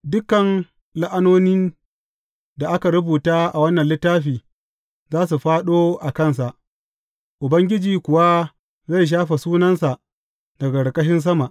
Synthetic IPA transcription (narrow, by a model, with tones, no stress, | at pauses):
dʊ˦kːɐ˨n | la˦ʔa˦noː˦ni˦n | da˨ʔa˦ka˨ɽʊ˦buː˨taː˦ʔa˨wɐ˦nːɐ˨nlɪ˦tːaː˦ɸiː˨ | zaː˦s̬u˨ɸaː˦ɗoː˦ʔa˨kɐ˦˨ns̬a˨ʔ | ʔʊ˨bɐ˦ŋɡʲɪ˦d͡ʒiː˨kʷʊ˨wa˦ | za˦˨jʃ̬aː˦ɸa˨suː˦nɐ˦nsa˨ʔ | dɐ˨ɡɐ˨ɽkʼɐ˦ʃɪ˦ns̬ɐ˦ma˨ʔ